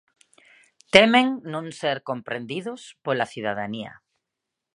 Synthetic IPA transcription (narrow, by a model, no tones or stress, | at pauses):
t̪emeŋnõŋseɾkompɾend̪iðʊspolaθiðaðaniɐ̰